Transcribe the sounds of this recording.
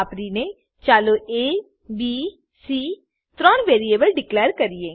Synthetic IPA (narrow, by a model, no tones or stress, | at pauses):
pɾine | t͡ʃaːloʔeː | biː | siː | t̪ɾɔ̃ːnʋeːɾieːbəlɖɪkleːɾkəɾie